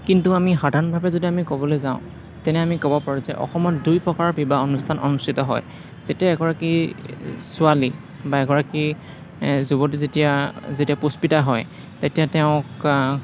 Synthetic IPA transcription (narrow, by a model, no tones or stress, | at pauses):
kintuamixadʱanɔbʱabɛzodiamikobɔlojzaʊ̃ | tɛnɛamikɔbɔpaɹũzɛ̰ʔɔ̰xɔmɔtdujpɹɔkaɹɔbʱibaɔnustʰanʔɔ̰nustʰitɔɦɔ̰j | z̥etijaɛɡɔɹaki | sʊali | baɛɡɔɹaki | zubɔtizetijazetiapuspitaɦɔj | tetijatɛʊ̃k